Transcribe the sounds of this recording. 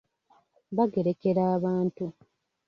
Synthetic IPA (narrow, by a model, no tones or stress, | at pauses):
βaɡe̞ɾe̞ke̞ɾaːβaːntu